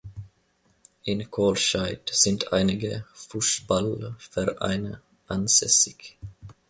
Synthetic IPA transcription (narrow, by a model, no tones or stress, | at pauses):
ʔɪnkʰoːlʃaɪtz̥ɪntʰʔa̰ɪnɪɡəfuːsb̥alfɛʁʔa̰ɪnə | ʔanz̥ɛsɪç